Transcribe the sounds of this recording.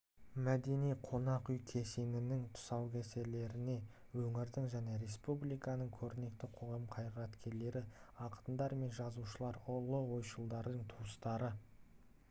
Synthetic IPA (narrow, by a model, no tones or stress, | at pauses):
mæd̪e̞nijqʰo̞nɑqʏjkʲʰe̞senɪnɪŋt̪ʰʊ̥sɑwkʲʰese̞le̞ɾɪne̞ | wɵŋɪɾd̪ɪŋʒæne̞ɾe̞spublijkɑnəɴkʲʰɵɾɪne̞k̚t̪ɪqʰo̞ʁɑmqʰɑjʁəɾɑt̪kʲe̞ɾle̞ɾɪɑqə̥t̪ənd̪ɑɾme̞nʒɑzuʃəlˠɑɾʊlˠəwo̞jʃəlˠd̪ɑɾd̪əɴt̪ʰuwəst̪ɑɾə